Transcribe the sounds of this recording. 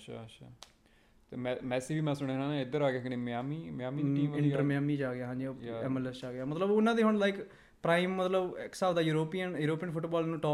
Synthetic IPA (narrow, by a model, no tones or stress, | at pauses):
əʃʰa̰ːəʃʰaː | t̪eːmɛmɛːsiːʋiːmɛ̃ːsʊɽ̃ẽːnãːnãɪd̪əɾaːɡɪaːkɪneːmaːmiːmɪjaːmiiɪ̃ɳʈəɾmaːmiːd͡ʒaːɡɪjaːɦãːd͡ʒiːɛːmɛlɛsaːɡɪjaːmət̪ləboʊnãːd̪iːɦʊɳlaːɪk | pɾaːimːət̪ləbksaːʋd̪aːjuːɾoːpiːənjuːɾoːpijənpʰʊʈbɔːlnũːʈɔː